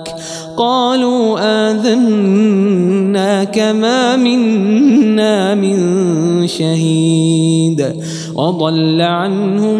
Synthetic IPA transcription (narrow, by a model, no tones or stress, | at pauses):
k | qɑːluːʔaːðan | aːkamaːmɪnː | aːmɪnʃahiːd̪ | wʔɑd̪ˤɑlːaʕanhʊ